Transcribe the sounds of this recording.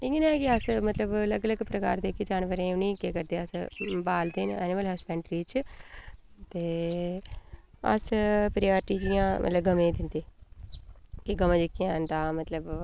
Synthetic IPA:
ɪɡinɛ̃kɪəsmət̪ləbləɡələɡpɾəka̰ːɾd̪eːkit͡ʃaːnʋəɾẽːʊniːkeːkəɾd̪eːəsbaːld̪ɪnɛ̰ːnɪməlɦəspɛ̃ːɳʈɾiːt͡ʃ | t̪eː | ə̰spɾɪjaːɾʈiːd͡ʒɪjãːmʔə̰t̪ləbɡəmẽːd̪ɪnd̪eː | kɪɡəmãːd͡ʒɪkːiãːənt̪ãːmət̪ləb

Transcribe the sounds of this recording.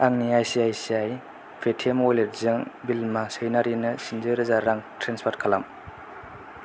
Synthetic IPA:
aŋniajsiajsiaj | pʰetʰemojleɾzɯŋbilmasɯjnaɾinɐsinzɯɾɯzaɾaŋtɾenspʰaɾtkʰalam

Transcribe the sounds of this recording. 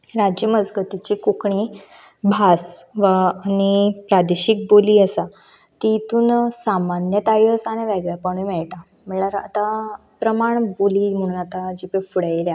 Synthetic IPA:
ɾad͡ʑjəməd͡zɡət̪it͡ɕiːkukɳi | bʱasʋaːñipɾad̪eɕik̚boliːəsa | t̪it̪uːnsamanjət̪ajiəsañeʋɛɡɭjapəɽ̃umɛɭʈa | m̤əɳlaɾa̰t̪a | pɾəmaɳboliːm̤əɽ̃uːnat̪ad͡ʑipefuɽaiɾja

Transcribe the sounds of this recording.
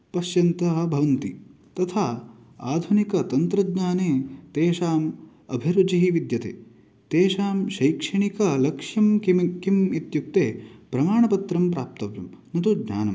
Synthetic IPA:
pɐʃjɐnt̪ɐɦɐbʱɐʋɐnt̪i | t̪ɐt̪ʰaː | aːd̪ʱunikɐt̪ɐnt̪ɾɐdɲaːneːt̪eːʃaːm | ɐbʱiɾud͡ʒiɦiʋid̪jɐt̪ḛː | t̪eːʃaːmʃɐjkʂɐɳikɐlɐkʂjɐmkimkimit̪juk̚t̪eːpɾɐmaːɳɐpɐt̪ɾɐmpɾaːp̚t̪ɐʋjɐ̰mnɐt̪udɲa̰ːnɐm

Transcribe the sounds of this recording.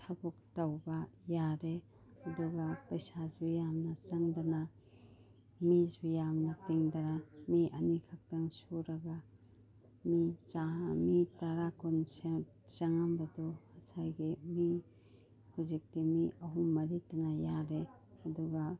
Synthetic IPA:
tʰabuk̚tɐwbɐjaɾe | ɐduɡɐpɐjsazujamnɐt͡ʃɐŋdɐna | mizijamnɐtiŋdɐnamiʔɐnikʰak̚tɐŋsuɾɐɡa | mit͡ʃaɦamitɐɾakɔnse | t͡ʃɐŋambɐdɔhɐsajɡemi | huzik̚timiɐɦumːɐɾitaŋajaɾe | ɐduɡɐ

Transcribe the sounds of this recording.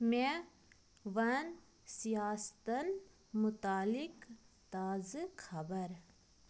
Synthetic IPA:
mẽ | ʋɐn | sijaːst̪ɐn | mut̪aːlikt̪aːzkʰɐbəɾ

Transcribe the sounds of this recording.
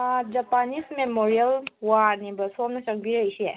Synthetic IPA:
d͡ʒapanismemoɾijɐlwanibɐsomnɐt͡ʃɐŋ̚bʱiɾəjse

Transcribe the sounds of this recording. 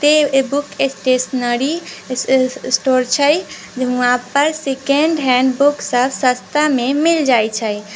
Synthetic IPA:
t̪ebukesʈesnəɾi | sʈoɾt͡ʃʰəj | d͡ʒãpəɾsekeɳɖɦɛ̃ɳɖbuksəbsə̃st̪amemild͡ʒajt͡ʃʰə

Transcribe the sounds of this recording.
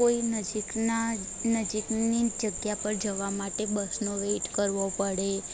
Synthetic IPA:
oinəd͡ʒina | nəd͡ʒiknid͡ʒəɡjapəɾd͡ʒəʋamaʈebəsnoʋeʈkəɾʋopəɽe

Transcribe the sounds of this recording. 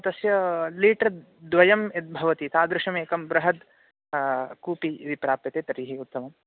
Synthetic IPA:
t̪ɐsjɐliːʈɾɐ | d̪ʋɐjɐmet̪̚bʱɐʋɐt̪it̪aːd̪ɾɪʂɐmeːkɐmbɾɐɦɐd̪ | kuːpiid̪ipɾaːpjɐt̪eːt̪ɐɾiːɦiut̪ːɐmɐm

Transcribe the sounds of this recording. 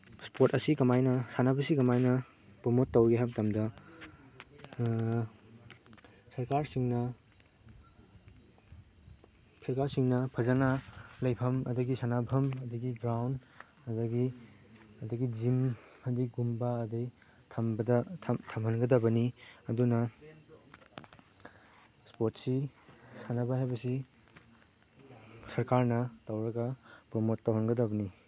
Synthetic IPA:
spʰotɐsikɐmajnɐsanabʱɐsikɐmajnɐ | pumotːɐwɡeɦabtɐmdɐ | sɐɾkaɾsiŋnɐ | sɐɾkaɾsiŋnɐpʰɐzanalɐjpʰɐmɐ̰dɐɡisanabʰʱɐmɐdɐɡiɡɾawn | ɐdɐɡi | ɐdɐɡid͡ʒim | ɐdiɡumbaɐdij | tʰɐmbɐdɐtʰtʰɐmhɐnɡɐdɐbɐniɐdunɐ | spoɾt̚sisanabaɦajbɐsi | sɐɾkaɾnɐtɐwɾɐɡɐpɾomotːawhɐnɡɐdɐbɐni

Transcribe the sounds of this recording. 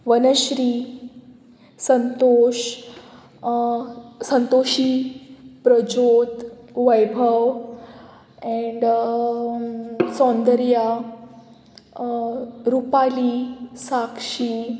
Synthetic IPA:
ʋənəɕɾi | sənt̪oɕ | sənt̪oɕi | pɾəd͡ʑod̪ʋəjbʱəʋ | ɛ̃ɳɖ | sɔ̃nd̪əɾja | ɾupalisakʂi

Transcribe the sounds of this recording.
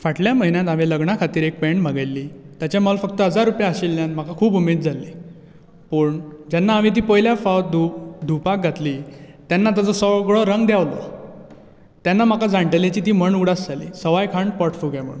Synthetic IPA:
faʈljaməɦinjãt̪aʋeləɡɳakʰat̪iːɾek̚pɛɳm̤əɡelːiːt̪jat͡ɕjamɔlfək̚t̪əɦəd͡zaɾːupjaəɕelːjanm̤akakʰuːbumet̪̚d͡zʱalːi | pəɳd͡ʑanːaːʋĩt̪̬iːpəjljafawt̪̚d̪ʱud̪ʱupak̚ɡʱat̪liːt̪janːat̪ad͡zəsɔɡɭɔɾəŋɡd̪jaʋlɔ̰ | t̪janːam̤akad͡zaɳʈəljat͡ɕiːt̪iːm̤əɳuɽasd͡zʱalḭsəʋajkʰaɳɖpɔɾʈfuɡam̤ə̰ɽun

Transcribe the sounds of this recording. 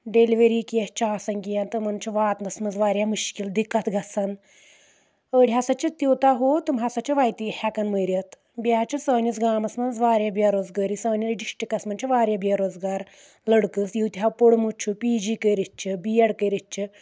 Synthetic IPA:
ɖeliʋeɾikijɐt͡ʃʰaːsɐŋkijɐnt̪ɨmɐnt͡ʃʰɐʋaːt̪nɐsmɐnzʋaːɾjamuʃkild̪ikat̪ʰɡɐsan | əːɽʲiɦasat͡ʃɐt̪iwt̪aɦot̪ɨmɦasɐt͡ʃɐʋaːjt̪ihʲakɐnməɾʲjɐt̪ | bjaːt͡ʃɐsəːnʲɐsɡaːmɐsmɐnzʋaːɾʲjabiaɾoːzɡaɾisəːnʲɐɾiɖiʂʈikɐsmɐnt͡ʃʰɐʋaːɾʲjabiɐɾoːzɡaːɾ | ləɽkɨsjiwt̪iɦapoɽmut͡ʃʰupiːd͡ʒiːkəɾit̪̚t͡ʃʰibijɐɽkəjɾɐt͡ʃʰi

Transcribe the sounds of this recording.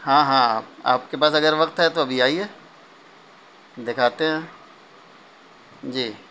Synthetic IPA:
hãːɦãaːpa̰ːp̚kepaːsɐɡəɾʋɐkt̪ɦɛt̪oɐbʱiaːiɛː | d̪ekʰaːt̪eɦɛ̃ː | d͡ʒiː

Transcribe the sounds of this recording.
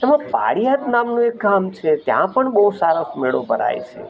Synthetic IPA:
əmãpa̰ɽijat̪namnũek̚ɡamt͡ʃʰet̪jã̰pəɳɓəɦusaɾosmeɭopəɾa̰jt͡ʃʰḛ

